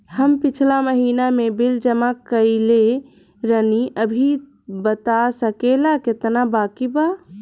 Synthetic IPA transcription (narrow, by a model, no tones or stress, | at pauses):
həmpit͡ʃʰlaməɦiːnamebild͡ʒəmakəɪle | ɾəniʔəbʱi | bət̪asəkelaket̪nabakiba